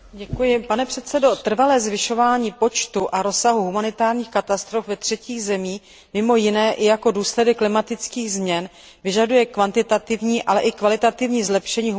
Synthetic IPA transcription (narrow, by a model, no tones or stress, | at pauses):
ɟɛkujɪpanɛpr̝̥ɛt̪t͡sɛdo̞t̪r̩valɛːzvɪʃo̞vaːɲiːpo̞t͡ʃt̪uʔaɾo̞saɦuɦumanɪt̪aːɾɲiːxkat̪ast̪ɾo̞fvɛt̪r̝̥ɛciːɣzɛmiː | mɪmo̞jɪnɛːʔɪjako̞duːslɛdɛkːlɪmat̪ɪt͡skiːɣzmɲɛn | vɪʒadujɛkvant̪ɪt̪at̪ɪvɲiːʔalɛʔɪkvalɪt̪at̪ɪvɲiːzlɛpʃɛɲiːɦ